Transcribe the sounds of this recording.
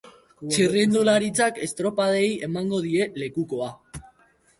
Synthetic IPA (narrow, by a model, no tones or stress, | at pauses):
t͡sirind̪ulaɾit͡sake̞st̪ɾo̞paðe̞je̞maŋɡo̞ð̞ie̞le̞kuko̞a